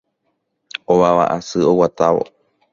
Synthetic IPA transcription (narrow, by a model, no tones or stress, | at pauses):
oβaʋa̰ʔasɨowat̪aʋo̞̰